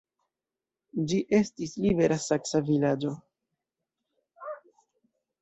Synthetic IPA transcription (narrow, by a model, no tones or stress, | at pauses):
d͡ʒiʔe̞stislibe̞ɾasaksavilad͡ʒo̞